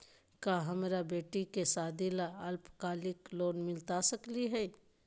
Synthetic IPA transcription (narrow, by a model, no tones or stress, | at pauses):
kaɦəmɾabeːʈikesaːd̪ilaəlpkaːlɪkloːnmɪlt̪asəkliɦɛː